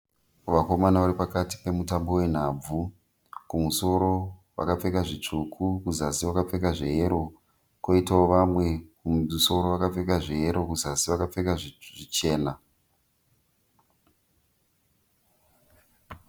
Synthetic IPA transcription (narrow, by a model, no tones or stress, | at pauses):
ʋako̞manaʋaɾipakati̥pe̞mutambo̞we̞n̤ab͡vu | kumuso̞ɾo̞wa̰kap͡fe̞kaʐit͡ʂukʰukuzasiwakap͡fe̞kaʐejeɾo̞ | ko̞itaoʋamwe̞kuso̞ɾo̞ʋakap͡fe̞k̬aʐeeɾo̞kuzasiʋakap͡fe̞kaʐʐit͡ʃe̞ːna